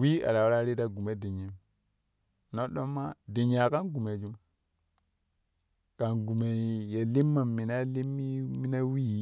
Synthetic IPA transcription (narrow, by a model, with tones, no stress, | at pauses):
wi˦a̰˨ɾa˨wu˦ɾa˦ɾi˦da˦ɡu˨me˦di˨ɲi˨m | no˦ɗo˦mːa˦di˨ɲa˨ka˦nɡu˨me˨d͡ʒu˨m | ka˨nɡu˨me˨je˨li˦mːa˨mːi˨na˦li˦mːi˦mi˦na˦wi˦˨˦